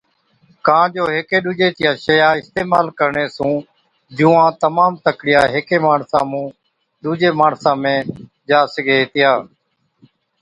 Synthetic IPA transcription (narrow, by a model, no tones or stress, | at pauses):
kãːd͡ʒoːɦɪkeːɗ̪uːd͡ʒeːt̪ɪjaːʃəjaːɪst̪eːmaːlkəɾɳeːsũː | d͡ʒuːãːt̪əmaːmt̪əkɽɪjaːɦɪkeːmaːɳsãːmũː | ɗuːd͡ʒeːmaːɳsãːmẽː | d͡ʒaːsɪɡeːt̪ɪjaː